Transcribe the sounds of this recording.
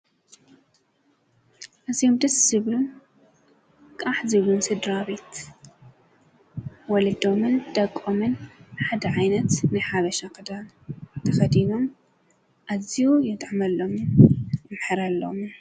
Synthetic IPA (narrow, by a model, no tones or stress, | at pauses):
ʔazijomd̪ɐsz̥ɨβlun | kʼaħzɨβlunsɨd̪ɾaβet̪ | wɔlɐd̪o̞mɨnd̪̥ɐkʼːomɨnħad̪ɐʕajnɐt̪nɨjħaβɐʃakɨd̪a | t̪ʰɐxɐd̪ino̞m | ʔazijujɛt̪ʼʕmɐlːo̞m | mħɨɾalːo̰m